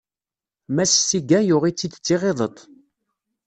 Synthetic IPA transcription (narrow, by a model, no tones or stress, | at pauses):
mæssiɡæjʊʁit͡sːid̪t͡sːiʁeðˤət̪ˤ